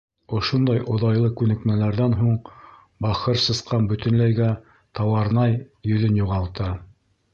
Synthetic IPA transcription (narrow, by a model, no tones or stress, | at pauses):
ŏʃond̪ɑjʔŏðɑjlˠɤkʉnɘ̆kmælæɾðænɦuɴ | bɑχɤɾsɤ̆sqɑnbɵ̆t̪ɘ̆nlæjɡæ | t̪ɑwɑɾnɑjjɵ̆ðɵnjuʁɑlˠt̪ɤ